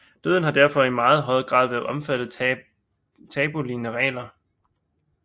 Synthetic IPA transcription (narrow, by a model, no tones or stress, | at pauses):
d̥øð̞ˠn̩hɑ̈d̥æɐfɒ̽imɑ̈ːð̞̩ˠɦɒ̽ɪɐɐɡ̥ʁɑ̰̈ːð̞ˠʋæɐð̩ˠɒ̽mfæd̥ð̩ˠ | t͡sʰɛːb̥o̝linəʁɛ̰ːlɐ